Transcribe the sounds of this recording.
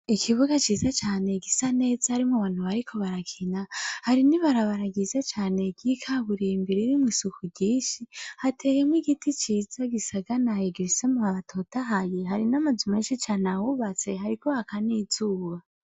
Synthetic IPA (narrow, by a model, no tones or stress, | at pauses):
ikʰiβuɡat͡ʃiːzat͡ʃaːne̞ɡisane̞ːzahaɾimŋuβaːn̥huβaɾikʰo̞βaɾakʰinahaɾiniβaɾaβaɾaɡizat͡ʃaːne̞ɡikʰaβuɾimbiɾiɾimwiːsukʰuɟiːnʃihatʰejemwiɡitit͡ʃiːz̥aɡisaɡanajeɡeɾisemuaβatʰo̞tʰaɦajeɦaɾinamazumeːnʃit͡ʃanawuβat͡se̞ɦaɾikʰohakaniːzuːβa